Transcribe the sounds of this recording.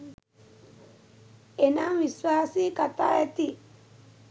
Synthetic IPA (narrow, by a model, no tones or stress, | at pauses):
enãŋwiswasikata̰ɛti